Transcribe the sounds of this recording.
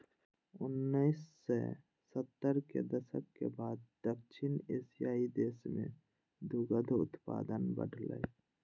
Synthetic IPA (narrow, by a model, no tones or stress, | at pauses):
ʊnːəɪsːe | sət̪ːəɾkḛd̪əsə̰kkebaːd̪d̪əkʃʰɪneːsijaːid̪eːsmḛ̃ | d̪ʊɡəd̪ʱʊt̪pa̰ːd̪ənbə̰ɖʱlə̰j